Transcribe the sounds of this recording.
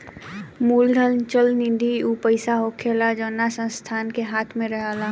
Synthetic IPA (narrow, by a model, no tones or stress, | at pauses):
muːld̪ʱəlt͡ʃəlnɪ̃nd̪ʱiupəɪsaɦoːkʰeːlad͡ʒəːnasə̃nst̪ʰaːnkeɦaːt̪ʰmẽɾəɦaːlaː